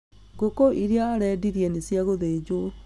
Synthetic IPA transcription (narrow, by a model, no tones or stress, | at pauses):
ɡokoʔiɾeaːɾɛːdiɾjɛnesjaɣoðeːd͡ʑwo